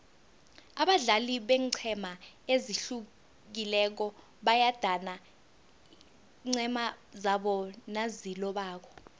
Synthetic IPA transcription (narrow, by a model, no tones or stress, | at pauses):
aɓaɮaliɓɛǀʰɛmaeziɬu | k̬ilɛk̬ɔ | ɓajad̥ʱana | ŋ͡ǀɛmazaɓɔnazilɔɓaːk̬ʰɔ̥